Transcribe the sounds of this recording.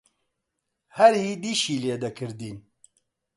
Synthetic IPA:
hɛɾhiːd̪iːʃiːleːd̪ɛkʰɨɾd̪iːn

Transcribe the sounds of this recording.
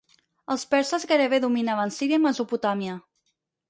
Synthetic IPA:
əlˠspɛɾsəzɣeɾeβeðuminaβənsiɾiəməzuput̪amjə

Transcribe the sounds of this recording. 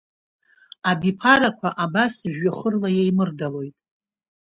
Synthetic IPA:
abipʰaɾakʷʰaʔabasʒᶣaχərlajejmɨrdalo̞jtʼ

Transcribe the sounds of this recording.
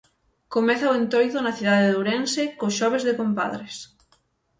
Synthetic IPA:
komɛθaowẽnt̪ojðonaθiðaðeðuwɾensekoʃɔβ̞ezðekompa̰ðɾes

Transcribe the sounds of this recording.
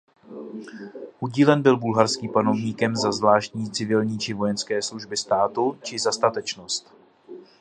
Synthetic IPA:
ʔuɟiːlɛnbɪlbulɦaɾskiːmpano̞vɲiːkɛmzazvlaːʃt̪ɲiːt͡sɪvɪlɲiːt͡ʃɪvo̞jɛnskɛːsluʒbɪst̪aːt̪ut͡ʃɪzast̪at̪ɛt͡ʃno̞st̪

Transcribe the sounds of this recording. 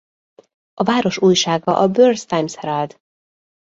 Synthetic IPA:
ʔɒvaːɾo̞ʃuːjʃaːɡɒʔɒbørst̪ajmshɛɾald̪

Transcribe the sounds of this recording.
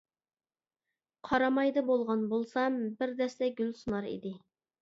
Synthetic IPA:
qʰɑɾɑmɑjd̪ɨbolˠʁɑnbolˠsɑmbɪɾd̪ɛst̪ɛɡʲylsunɑɾḭd̪ɪ

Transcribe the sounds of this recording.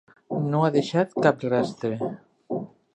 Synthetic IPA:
noaðeʃat̪kaprast̪ɾe

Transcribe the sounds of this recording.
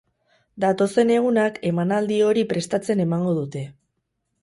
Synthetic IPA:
d̪at̪o̞se̞ne̞ɣ̞unake̞manald̪io̞ɾipɾe̞st̪at͡se̞ne̞maŋɡo̞ðut̪e̞

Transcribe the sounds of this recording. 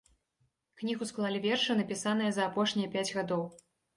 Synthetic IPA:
knʲiɣusklˠalʲivʲɛrʂɨnɐpʲisan̪ɨjɐzɐːpɔʂnʲijɐpʲad͡zʲɣad̪ɔw

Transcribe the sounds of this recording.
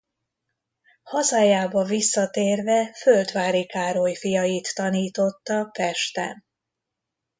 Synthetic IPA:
hɒzaːjaːbɒvisːɒt̪eːrvɛfølt̪ʋaːɾikaːɾojfijɒjit̪ːɒniːt̪o̞t̪ːɒpɛʃt̪ɛ̰

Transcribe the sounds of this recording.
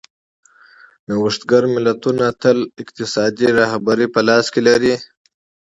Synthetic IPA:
nawəʂt̪ɡaɾmɪlat̪unat̪əlɪqt̪ɪsɑd̪iɾɑhbaɾipəlɑskelaɾi

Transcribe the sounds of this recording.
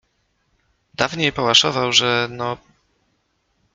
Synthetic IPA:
d̪̥avɲejpɔwaʂɔvawʐɛnɔ

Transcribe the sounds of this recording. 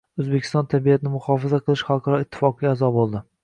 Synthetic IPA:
ɵzbekʲʰɪ̥st̪ɒnt̪ʰabijat̪ʰɪnɪmʊhɒfazaqʰɨlˠɪʃχalˠqʰɑɾɒɪt̪ʰːɪ̥fɒqɨɡʲaazɒbolˠd̪ɪ

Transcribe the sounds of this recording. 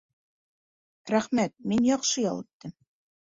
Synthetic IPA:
ɾæχmæt̪̚minjɑqʃɤjɑ̰lˠɤ̆t̪ːɘm

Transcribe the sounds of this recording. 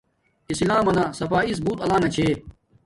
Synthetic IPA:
islaːmɐnaːsɐfaːis̬buːt̪ɐlaːnɐt͡ɕʰeː

